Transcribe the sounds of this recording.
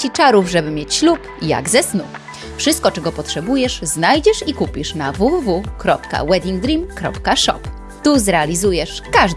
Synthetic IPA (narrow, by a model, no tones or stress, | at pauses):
t͡ɕit͡ʂaɾuvʐɛbɘmʲjet͡ɕɕlup | ja̰ɡzɛsnu | fʂɘst̪kɔt͡ʂɛɡɔpɔtʂɛbujɛʂznajd͡ʑɛʂikupʲiʂnavuvuvukɾɔpka̰wɛd̪ʲiŋɡd̪ɾimkɾɔ̰pkaʂɔ̰p | t̪uzɾɛalʲizujɛʂkaʐ